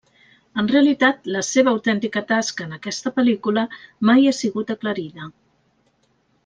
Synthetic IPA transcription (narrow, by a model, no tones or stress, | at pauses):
ənreəlit̪at̪ləseβ̞əːwt̪ɛnt̪ikət̪askəːnəkɛst̪əpəlikuləmajasiɣut̪əkləɾiðə